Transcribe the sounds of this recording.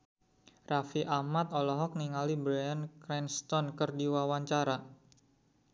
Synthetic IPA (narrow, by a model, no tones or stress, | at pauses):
rafiʔamat̪ɔlɔɦɔk̚niŋalibɾajankɾɛnst̪ɔnkərdiwawaɲt͡ʃaɾa